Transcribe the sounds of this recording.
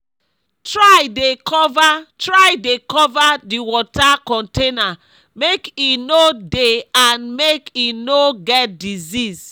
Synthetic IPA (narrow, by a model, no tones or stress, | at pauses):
tɹajdekʰɔvatɹajdekɔvadiwɔtakɔ̃ntena | mekinodeanmekinoɡɛt̚dizis